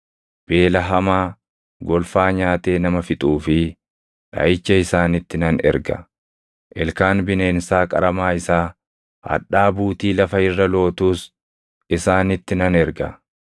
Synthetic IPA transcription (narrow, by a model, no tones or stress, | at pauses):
b̥e̞ːlɐɦɐmaː | ɡɔlfaːɲaːt̪e̞ːnɐmɐfɪt̪ʼuːfɪ | ᶑɐ̰ɪt͡ʃːɐɪsaːnɪt̪ːɪnɐnɛ̰ɾɡɐ̰ | ʔɛlkaːnbɪne̞ːnsaːkʼɐɾɐmaːɪsaː | hɐ̰ᶑaːbuːt̪iːlɐfɐɪrːɐlo̞ːt̪uːs | ɪsaːnɪt̪ːɪnɐnɛɾɡɐ